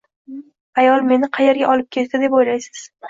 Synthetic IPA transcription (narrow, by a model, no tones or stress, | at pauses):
ajɒlˠme̞nɪqʰɑje̞ɾɡʲaʔɒlɪp̚kʲʰe̞t̪t̪ɪd̪e̞pojlajsɪ̥z̥